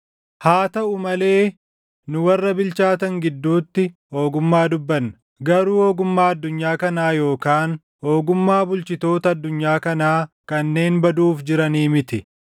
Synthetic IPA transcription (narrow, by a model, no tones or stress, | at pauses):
haːt̪ɐʔʊmɐle̞ː | nʊwɐrːɐbɪlt͡ʃaːt̪ɐŋɡɪd̪ːuːt̪ːɪho̞ːɡʊmːaːd̪ʊbːɐnːɐ̥ | ɡɐɾuːhoːɡʊmːaːɐd̪ːʊɲːaːkɐnaːjo̞ːkaːn | ho̞ːɡʊmːaːbʊlt͡ʃɪt̪o̞ːt̪ɐːd̪ːʊɲːaːkɐnaː | kɐnːe̞ːnbɐd̪uːfd͡ʒɪɾɐniːmɪt̪ɪ